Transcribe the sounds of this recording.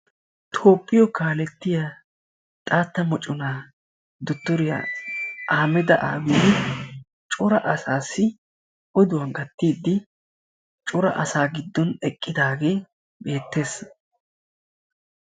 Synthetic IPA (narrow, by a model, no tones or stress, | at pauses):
t̪ʰo̞ːpʼːɪjɔkaːlɛt̪ːɪjɐ | t̪ʼaːt̪ːɐmɔt͡ʃʼːʊnaː | d̪ʊt̪ːɔɾɪjɐ̰aːmɛd̪ɐʔa̰ːɡid̪ɪ | t͡ʃʼʊɾɐʔɐsaːsːɪ | ʔɔd̪ʊwɐŋɡɐt̪ːiːd̪ːɪ | t͡ʃʼʊɾɐ̰ʔɐsaːɡɪd̪ːɔnɛkʼːɪd̪aːɡe̞ː | be̞ːt̪ːe̞ːs